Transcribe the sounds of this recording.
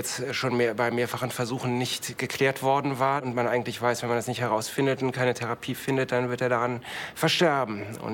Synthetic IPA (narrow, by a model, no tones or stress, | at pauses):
ɛt͡stʃoːnmeːɐbaɪmeːɐfaχən̩fɛɐzuːxn̩nɪçtɡ̥əkʰl̥eːɐtv̥ɔɐdn̩vaːɐʊntmanʔaɪɡŋ̩tlɪçv̥aɪsv̥ɛnmandasnɪçthɛʁaʊsfɪndətʊntkʰaɪnətʰɛʁapʰiːfɪndət̚d̥anvɪɐteːɐɾaʁanfɛɐʃtɛɐbm̩ʔʊ̰n